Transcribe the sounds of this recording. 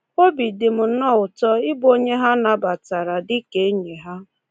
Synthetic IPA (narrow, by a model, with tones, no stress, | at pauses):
o˦bi˨dɪ˨m̩˨˦nɔ˦˨ʊ˨tɔ˦ɪ˦bo˦ɲe˦ɦa˦na˨ba˨ta˨ɾa˨dɪ˦ke˨˦ɲe˨ɦa˦